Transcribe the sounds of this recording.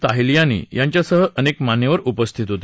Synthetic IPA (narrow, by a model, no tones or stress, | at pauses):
t̪aɦilijãnḭːjaɲt͡ɕjasəɦəʔənekmanjeʋəɾupəst̪ʰit̪ɦot̪